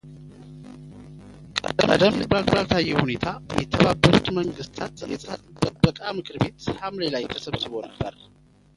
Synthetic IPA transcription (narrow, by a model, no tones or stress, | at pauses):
kʼəkʼə̰d̪əmlibɾalbɾalt̪ʰajːɛhune̞t̪ʰajɛt̪ʰəβabːəɾut̪məŋɡɨst̪ʰat̪jɛ̰sʼa̰t̪ʼəbəkʼamɨkʰɨɾbe̞t̪hamlelajt̪ʰəsəβzɨβo̞nəbːə̰ɾ